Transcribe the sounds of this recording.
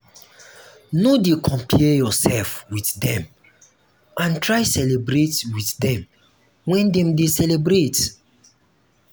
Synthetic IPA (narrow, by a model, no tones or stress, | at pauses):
nodekʰɔ̃mpʰɛjɔsɛlfwiθdɛ̃m | ʔãntɹajsɛlebɹetwiθdɛ̃m | wɛ̃ndɛ̃mdesɛlebɾet